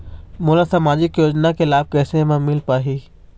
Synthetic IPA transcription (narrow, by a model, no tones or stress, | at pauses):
mʊːlasaːmaːd͡ʑɪkjoːd͡ʒnakelaːɪb̚kɛːsẽmãmɪlpaːɦiː